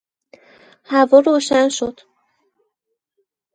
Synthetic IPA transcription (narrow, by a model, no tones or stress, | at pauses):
hævɒːɾoːʃænʃod̪̥